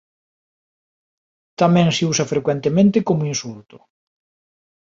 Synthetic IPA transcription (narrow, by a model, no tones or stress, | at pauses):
t̪amɛ̃ŋseusɐfɾekwɛnt̪emẽnt̪ɪkomʊinsult̪ʊ̥